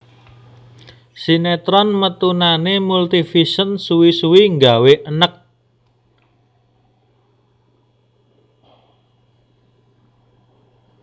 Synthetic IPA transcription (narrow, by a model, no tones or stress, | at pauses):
sinet̪ɾɔnmət̪unanemult̪ifisənsuwisuwiŋɡaweʔənək̚